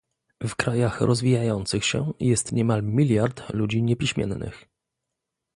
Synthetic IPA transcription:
vkɾajaxɾʔɔzvʲijajɔnt̪sɘxɕɛ̰jɛst̪ɲɛmalmʲilʲjaɾt̪lud͡ʑiɲɛpʲiɕmʲjɛ̰nnɘ̰x

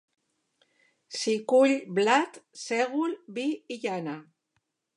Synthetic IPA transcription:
sikuʎblat̪seɣulbiːʎana

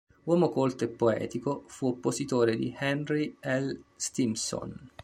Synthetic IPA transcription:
wɔːmokolt̪oepːoɛ̰ːt̪ikofuopːozit̪oːɾed̪ihɛnriɛlst̪imso̰n

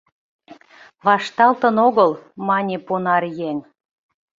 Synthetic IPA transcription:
βɑʃt̪ɑlt̪ənoɣəlmɑnʲeponɑrjeŋ

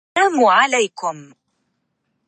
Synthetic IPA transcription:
aːmʊʕalajkʊm

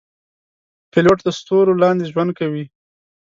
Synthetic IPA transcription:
pɪloʈd̪əst̪oɾolɑnd̪eʒwand̪̚kawi

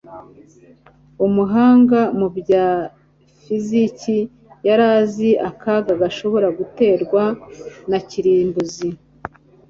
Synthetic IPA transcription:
umuɦaːŋɡamubɟaː | fizici | jaɾaːziʔakʰaɡaɡaʃo̞βo̞ɾaɡute̞ːɾɡwanaciɾiːmbuzi

